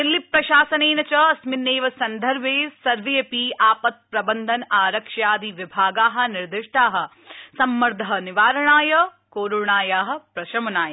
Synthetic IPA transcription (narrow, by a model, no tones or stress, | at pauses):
d̪ilːipɾɐʃaːsɐneːnɐt͡ʃɐɐsminːeːʋɐsɐnd̪ʱɐɾbʱeːsɐɾʋejɐpiaːpɐt̪̚pɾɐbɐnd̪ʱɐnaːɾɐkʂjaːd̪iʋibʱaːɡaːɦɐ̆nɪɾd̪ɪʂʈaːɦɐ̆ | sɐmːɐɾd̪ʱɐɦɐnɪʋaːɾɐɳaːjɐ | koːɾuɳaːjaːɦɐ̆pɾɐʃɐmɐnaːjɐ